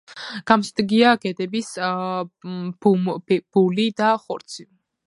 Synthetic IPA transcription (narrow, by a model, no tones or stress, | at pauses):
ɡ̥amsd̪ɡiaɡɛd̪ɛbis | bub̥ulid̪aχɔɾt̪sʰi